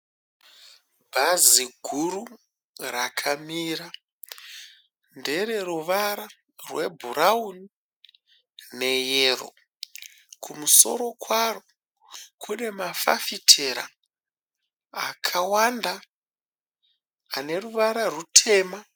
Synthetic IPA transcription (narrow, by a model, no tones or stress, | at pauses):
bʱaziɡʱuɾu | rakʰamiːɾa | nde̞re̞ɾuʋaɾa | rwe̞bʱuɾauni | ne̞jero̰ | kʰumuso̞̰ɾo̞kʰwaro | kʰune̞mafa̰fitʰe̞ɾa̰ | akʰawanda | ne̞ruʋaɾarutʰe̞ːma